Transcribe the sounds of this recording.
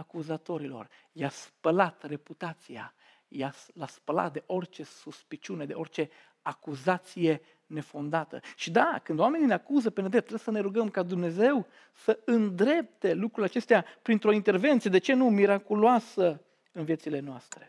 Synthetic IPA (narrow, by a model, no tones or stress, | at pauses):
akuzat̪o̞ɾilo̞̰r | jaspəlat̪re̞put̪at̪sija̰ | jaslaspəla̰t̪̚d̪e̞ʔo̞rt͡ʃe̞suspit͡ʃune̞d̪e̞o̞rt͡ʃe̞ | akuzat̪sije̞ | ne̞fo̞nd̪at̪ə̰ʃid̪akɨnd̪owame̞nineakuzəpened̪ɾet̪ːɾeesəne̞ɾuɡəmkad̪umne̞ze̞w | səɨnd̪ɾe̞p̚t̪e̞lukɾulʲat͡ʃe̞st̪eapɾint̪ɾo̞int̪e̞rve̞nt̪sied̪e̞t͡ʃe̞numiɾakuloasə | ɨnvijesile̞noast̪ɾe̞̥